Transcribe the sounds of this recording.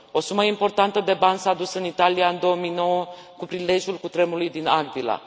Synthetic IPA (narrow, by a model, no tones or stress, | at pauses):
o̞suməimpo̞rt̪ant̪əd̪e̞bansaːd̪usɨnit̪alijaɨnd̪o̞omijno̞wəkupɾile̞ʒulkut̪ɾe̞mulujd̪inaɡd̪ila̰